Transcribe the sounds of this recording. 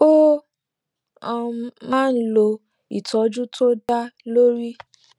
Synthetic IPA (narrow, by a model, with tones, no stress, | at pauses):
o˦ | ɔ˧mã˦˨n̩˦lo˧ | ḭ˨tʰɔ˨˦d͡ʒũ˦tʰo˦da˦lo˦ɾi˦